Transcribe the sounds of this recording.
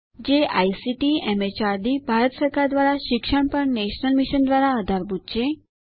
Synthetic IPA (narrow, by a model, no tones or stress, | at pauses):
d͡ʒea̰isiʈiɛmet͡ʃaɾd̪ibʱaɾət̪səɾkaɾd̪ʋaɾaʃɪkʃəɳpəɳneʃnəlmiʃənd̪ʋaɾaəd̪ʱaɾbʱut̪t͡ʃe